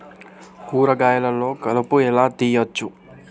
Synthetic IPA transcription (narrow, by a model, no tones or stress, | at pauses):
huːɾɐɡaːjɐlɐlːoːkɐlɐpuɛlaːt̪ijɐt͡ʃːu